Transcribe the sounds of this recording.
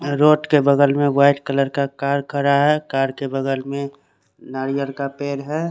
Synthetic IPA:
ɾoːʈkebəɡəlmẽwaːɪʈkələɾkakaːɾkʰəɾaɦɛkaːɾkebəɡəlmẽ | naːɾijəɾkapeːɾɦɛː

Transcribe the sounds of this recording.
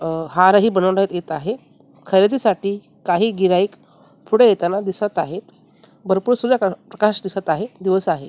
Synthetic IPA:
ɦaɾəɦiːbənəʋnaɦet̪et̪aɦe | kʰəɾet̪iːsaʈiː | kaɦiːɡiɾaiːk | pʰuɽejet̪anad̪isat̪aɦet̪ | bəɾpuːɾsud̪akpɾəkaʂd̪isat̪aɦed̪iʋəsaɦe

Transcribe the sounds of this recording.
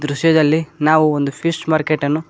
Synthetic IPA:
d̪ɾuʃjɐd̪ɐlːinaːʋuond̪upʰisʈmaːɾkeʈɐnːu

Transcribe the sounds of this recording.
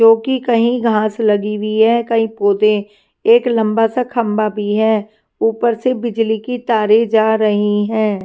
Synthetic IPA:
d͡ʒoːkikɐɦĩɡʱãːslɐɡibiɦɛːkɐɦĩpoːd̪ẽ | eːklɐ̃mbasakʰɐ̃mbabʱiɦɛː | uːpəɾsebɪd͡ʒlikit̪aːɾed͡ʒaːɾɐɦiɦɛ̃ː

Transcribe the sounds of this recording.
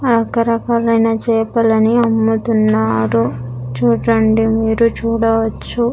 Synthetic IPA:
ɾɐkɐɾɐkaːlɐjnɐt͡ʃɛːpɐlɐniɐmːut̪unːaːɾut͡ʃuːʈɐɳɖimiːɾut͡ʃuːɽɐʋɐt͡ʃːu

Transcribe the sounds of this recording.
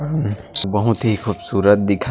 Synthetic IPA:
bɔɦũt̪iɦikʰubsuɾət̪̚d̪ikʰa

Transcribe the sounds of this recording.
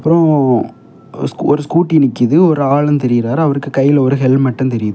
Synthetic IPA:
ɐpːɯɾɔ̃ | sɔɾɯskuːʈːinɪkːɪðɯɔɾɯaːɭɐnt̪ɛɾɪjɪɾaːɾɐʋɐɾɯkːɯkɐjːɪlɔɾɯɦɛɭmɐʈːɐ̃nt̪ɛɾɪjɐðɯ

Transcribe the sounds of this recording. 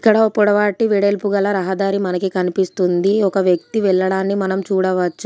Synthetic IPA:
ikːɐɽɐopːuɽɐʋaːʈːiʋiɽelpuɡɐlɐɾɐɦɐd̪aːɾimɐnɐkikɐnipist̪und̪iɔkɐʋjɐk̚t̪iʋɛɭːɐɽaːnːimɐnɐmt͡ʃuːɽɐʋɐt͡ʃːu

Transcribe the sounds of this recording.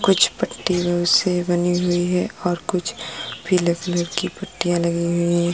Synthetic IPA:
kʊt͡ʃʰpɐʈːibəwsebɐniɦʊiɦɛɔːɾkʊt͡ʃʰbʰʱilekləɾkipɐʈːijãlɐɡiɦʊiɦɛ

